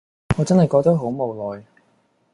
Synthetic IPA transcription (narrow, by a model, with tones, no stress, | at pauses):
ŋɔː˨˧t͡sɐ˥nhɐ˨jkɔː˧k̚t̪ɐ˥k̚ɦo˨˥wmo˨˧wlɔː˨j